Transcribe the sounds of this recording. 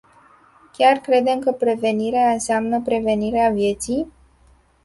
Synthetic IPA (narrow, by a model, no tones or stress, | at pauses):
kʲarkɾe̞d̪e̞mkəpɾe̞ve̞niɾeaɨnseamnəpɾe̞ve̞niɾeavje̞t̪sij